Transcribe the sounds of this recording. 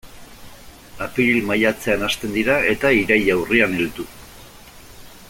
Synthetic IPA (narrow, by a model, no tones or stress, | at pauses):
apilmajat͡se̞anast̪e̞nd̪iɾae̞t̪aiɾajawrianelt̪u